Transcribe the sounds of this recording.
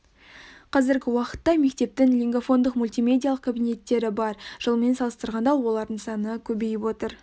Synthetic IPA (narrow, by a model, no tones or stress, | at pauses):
qʰɑzɪɾɡʲɪwɑqə̥t̪ːɑme̞k̚t̪e̞p̚t̪ɪŋlʲiŋɡofo̞nd̪əqmulʲt̪ijmʲe̞d̪ʲijalˠəqkʰabijne̞t̪ːe̞ɾɪbɑɾʒ̥əlˠme̞nsɑlˠəst̪əɾʁɑnd̪ɑlˠwo̞lˠɑɾd̪əɴsɑnəkʲʰɵbe̞jɪpwo̞t̪əɾ